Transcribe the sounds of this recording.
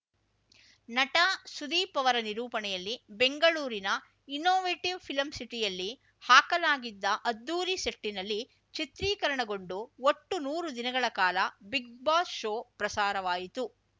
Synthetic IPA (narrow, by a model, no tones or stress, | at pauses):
nɐʈɐsud̪iːpɐʋɐɾɐniɾuːpɐnɛjɐlːibeŋɡɐɭuːɾinɐ | inoːʋeːʈiʋpʰilɐmsiʈijɐlːi | haːkɐlaːɡid̪ːɐʔɐd̪ːuːɾiseʈːinɐlːi | t͡ʃit̪ɾiːkɐɾɐɳɐɡo̞ɳɖuoʈːunuːɾud̪inɐɡɐɭɐkaːlɐbiɡ̚baːsʃoːpɾɐsaːɾɐʋaːjit̪u